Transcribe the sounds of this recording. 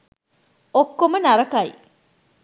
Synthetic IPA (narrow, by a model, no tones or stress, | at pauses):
okːomənɐɾɐkɐj